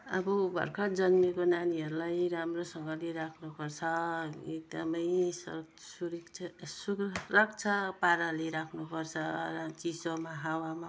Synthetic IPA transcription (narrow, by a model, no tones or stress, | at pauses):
abubʱʌ̰rkʰʌd͡zʌnmikonaniɦʌɾulajɾamrosʌŋɡʌleɾakʰnupʌrt͡sʰʌek̚d̪ʌmʌjs | suɾikʰsukrʌkt͡sʰʌpaɾaleɾakʰnupʌrt͡sʰʌʌt͡sisomaɦawama